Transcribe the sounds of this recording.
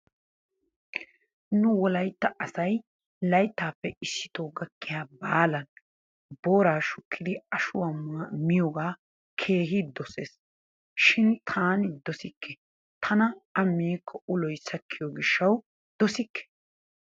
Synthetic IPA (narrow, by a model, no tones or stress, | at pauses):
nʊwɔlɐjt̪ːɐʔɐsɐj | lɐjt̪ːaːpːɛɪsːɪ̥t̪oːɡɐkːɪjaːbaːlɐn | boːɾaːʃʊkʰːɪd̪ɪɐʃʊwamɪjɔːɡaː | kʰe̞ːɦɪd̪ɔseːs | ʃɪnt̪ʰaːnɪd̪ɔsɪkʰːɛ | t̪ʰɐnɐɐmːiːkʰːɔʔʊlɔjsɐkʰːɪjɔɡɪʃːɐw | d̪̥ɔsɪkːɛ̥